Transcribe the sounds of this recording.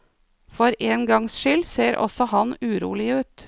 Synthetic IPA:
fɔɾʔeːnɡɑŋsʃʏlseːɾʔɔ̰sɔhɑnʉːɾṵːlɪʉːt̪

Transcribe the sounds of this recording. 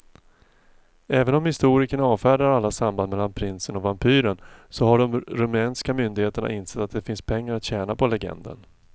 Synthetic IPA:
ɛːvənɔmhɪst̪uːɾɪkəɳaɑːvfæːɖaɾalːasamband̪mɛlːanpʰɾɪnsənɔvampʰyːɾənsɔɦaɖɔmɾɵmɛːnskamʏnd̪ɪɡheːt̪əɳa̰ʔɪnsɛt̪ːat̪̚d̪ɛfɪnspʰɛŋːaɾat̪ɕɛːnapʰɔlɛɡɛ̰nd̪ə̰n

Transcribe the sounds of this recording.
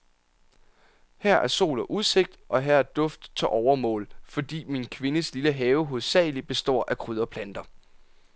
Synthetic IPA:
hæɐ̰ʔæɐso̝̰ːlɐʔuðˠse̝ɡ̥̚d̥ʔɒ̽ɦæɐ̰æɐd̥ɔ̽fd̥t͡sʰeʔɒʊɐmɔ̰̽ːlfɒ̽d̥ḭːminkʰʋe̝nəsliləɦɛːʊɦoðˠsɛ̰ːɪlib̥e̝sd̥ɒ̰ːʔækʰʁyð̞ˠɐpʰlænd̥ɐ

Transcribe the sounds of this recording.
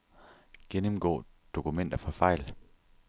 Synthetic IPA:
ɡ̥enəmɡ̥ɔ̰̽ː | d̥o̝kʰumen̰d̥ɐfɒ̽fɑ̈ɪ̰l

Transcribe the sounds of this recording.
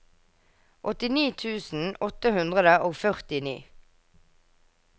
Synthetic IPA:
ʔɔt̪ɪniːt̪ʰʉːsn̩ɔt̪əhʉnd̪ʁəd̪əʔoːfœʁt̪ɪnḭː

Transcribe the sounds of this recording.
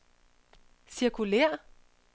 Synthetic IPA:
siɐkʰulɛ̰ɐ̰

